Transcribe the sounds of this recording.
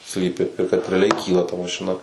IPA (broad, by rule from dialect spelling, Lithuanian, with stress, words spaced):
ˈsʲlʲiːpʲɪ ɪr kɐt rʲɛɐˈlʲɛɪ ˈkʲiːlˠɐ tɐ mɐʃʲɪˈnɐ